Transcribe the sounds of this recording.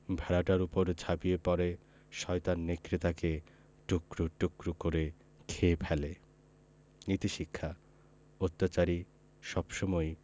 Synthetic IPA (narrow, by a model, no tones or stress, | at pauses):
bʱɛɾaʈaɾupoɾd͡ʑʱabiepɔɾe | ʃɔjt̪anːekɾit̪ake | ʈukɾoʈukɾukoɾe | kʰepʰɛle | nit̪iʃikʰːa | ot̪ːat͡ʃaɾi | ʃɔbʃɔmɔj